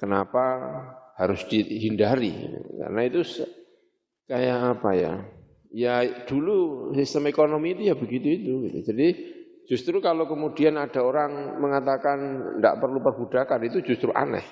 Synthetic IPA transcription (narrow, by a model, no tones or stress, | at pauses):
kənapahaɾʊsd̥iɦindaɾḭḭka̰rnait̪us | kajaʔːpaja̰ | jad̥ulusist̪əmekonomiːt̪ujabəɡit̪uit̪uɡit̪ṵd͡ʒadi̥ | d͡ʒ̥ust̪ɾukalokəmud̥ianad̥a̤oɾaŋməŋat̪akannda̰ʔpərlupərbud̥akanit̪ud͡ʒust̪ɾuʔa̰nɛ̰h